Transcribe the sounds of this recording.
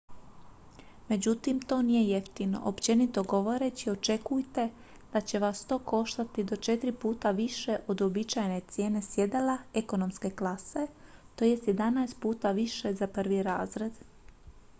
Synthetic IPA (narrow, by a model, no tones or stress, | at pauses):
me̞d͡ʑut̪imt̪o̞ːnije̞jeft̪ino̞̰ʔopt͡ɕe̞nit̪o̞ɡo̞ʋo̞ɾe̞t͡ɕio̞t͡ʃe̞kujt̪e̞ | d̪̥at͡ɕe̞ʋast̪o̞ːko̞ʃt̪at̪id̪o̞t͡ʃe̞t̪ɾipuːt̪aʋiʃe̞ʔo̞d̪obit͡ʃajne̞t̪sje̞ːne̞sje̞d̪alaeko̞no̞mske̞klˠase̞t̪oje̞st̪je̞d̪anaest̪puːt̪aʋiʃe̞zapr̩ʋiɾaːzɾe̞d̪